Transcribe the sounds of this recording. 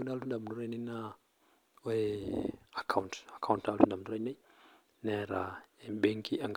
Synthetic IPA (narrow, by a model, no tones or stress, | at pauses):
unalundaminduɾanena | we | akʰauntakʰawuntalundamnduɾajne | nɛɾaebɛŋkiaŋɡ